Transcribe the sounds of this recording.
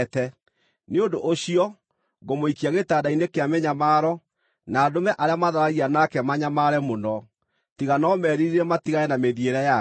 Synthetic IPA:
tɛ | neondoʔoɕiɔ | ɡomoikiaɣetaːdainekeameɲamaːɾɔ | naːdomɛʔaɾeamaðaɾaɣianakɛmaɲamaɾɛmonɔ | tiɣanɔmɛɾiɾiɾɛmatiɣaɛnameðieɾɛja

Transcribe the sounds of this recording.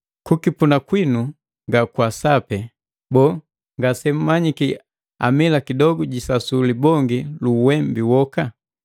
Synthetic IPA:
kukipunakwinu | ŋɡakwasapɛ | bɔː | ŋɡasɛm̩maɲiki | a̰milakidɔɡuɟisasulibɔŋɡiluwɛmbiwɔka

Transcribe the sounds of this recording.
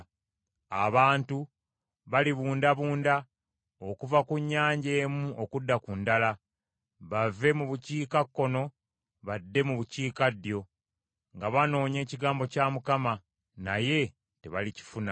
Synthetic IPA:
a̰βaːntu | βaliβuːndaβuːnda | o̞kuvakuɲːaːɲɟe̞ːmuo̞kudːakundala | βave̞muβuciːkakːo̞no̞ | βadːe̞muβuciːkadːjo̞ | ŋɡaβano̞ːɲe̞ːciɡaːmbo̞caːmukama | naje̞ | te̞βalici̥funa

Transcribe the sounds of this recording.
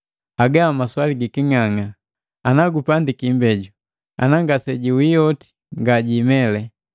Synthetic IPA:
aɡaamaswaliɡikiŋaŋa | anaɡupandikimbɛɟu | a̰naŋɡasɛɟiwijɔti̥ | ŋɡaɟimɛlɛ

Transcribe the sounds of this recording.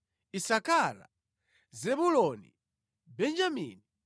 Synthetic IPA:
isakala̰ | zɛbulɔnḭ | bɛnd͡ʒamḭni

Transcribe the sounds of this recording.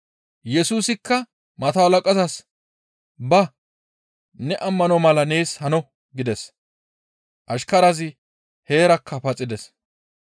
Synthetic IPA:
jɛsuːsɪkːɐ | mɐt̪ɐwɐlɐkʼɐzɐs | bɐ | nɛʔɐmːɐnɔmɐlɐneːshɐnɔ | ɡɪd̪ɛs | ʔɐʃkɐɾɐzɪ | he̞ːɾɐkʰːɐpɐt͡sʼːɪd̪ɛs

